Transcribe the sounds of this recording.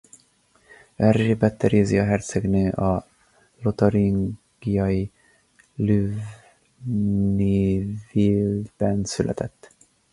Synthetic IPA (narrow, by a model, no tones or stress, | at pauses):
vɛrʒeːbɛt̪ːɛɾeziɒɦɛrt̪sɛɡnøːʔɒ | lot̪ɒɾiŋ | ɡ̥ijɒji | løːv | niːvilbɛnsylʔɛ̰t̪ʰɛt̪ː